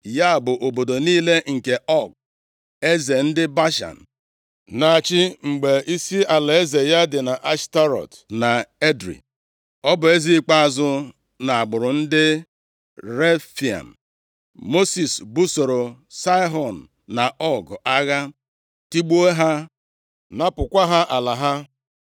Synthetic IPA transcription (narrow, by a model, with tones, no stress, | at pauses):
ja˦˨bʊ˨ʔo˨bo˨do˨niː˦le˦ŋ̩˨ke˨ʔɔ˦˨ɡ | e˦ze˨n̩˦dɪ˦ba˦ʃa̰˨n̩˨ | na˨a˨t͡ʃɪ˦ŋ͡m̩˨ɡ͡be˨ʔi˦si˦a˨la˨e˦ze˨ja˦dɪ˨na˨ʔa˦ʃta˦ɾɔ̰˨t | na˨e˦dɾḭ˨ | ɔ˦bʊ˨e˦zi˦k͡pa˦a˨zʊ˦ | na˨a˨ɡ͡bʊ˨ɾʊ˨n̩˦dɪ˦ | ɾe˦fi˨a̰˨n̩˨ | mo˦si˨sbu˦so˨ɾo˨sa˦ɦɔ˨n̩ː˨a˨ʔɔ˦ɡɔ˨ʔa˦ɣa˦ | ti˦ɡ͡bu˦e˦ɦa˦ | na˦pʊ˨kʷa˦ɦa˦ʔa˨la˨ɦa˦